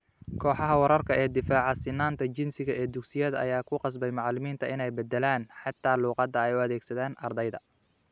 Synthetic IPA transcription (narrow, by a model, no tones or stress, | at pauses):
kʰɔːħɑɦɐwɑɾɐrkʰɐʔɛːd̪ɪfaːʕɑsɪnːaːnt̪ʰɐt͡ʃɪnsɪɣɐɛːd̪ʊɡsɪjɐðɐɐ̰jaːkʰʊqɑs̬bɛjmɑʕlɪmiːnt̪ʰɐʔɪnɛjbɛd̪ɛlaːnħɑt̪ʰːaːluːqɑd̪ɐɛjʊɐðɛːɡsɐðaːnʔɐrd̪ɛjðɐ̰